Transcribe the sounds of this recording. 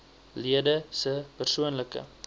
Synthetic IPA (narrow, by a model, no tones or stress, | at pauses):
liədəsəpərsuənləkə̰